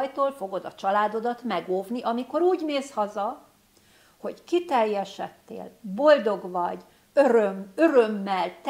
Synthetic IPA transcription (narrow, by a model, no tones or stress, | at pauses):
jt̪oːlfo̞ɡo̞d̪ɒt͡ʃɒlaːd̪o̞d̪ɒt̪mɛɡoːvniʔɒmiko̞ɾuːɟneːshɒzɒ | ho̞ɟkit̪ɛrjɛʃɛt̪ːḛːlbo̞ld̪o̞ɡvɒɟ | øɾømøɾømːɛlt̪